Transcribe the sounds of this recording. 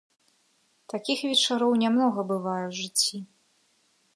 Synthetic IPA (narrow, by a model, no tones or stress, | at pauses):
t̪akʲixvʲɛt͡ʂaɾɔwnʲamnɔɣɐbɨvajɛʐɨt͡sʲːi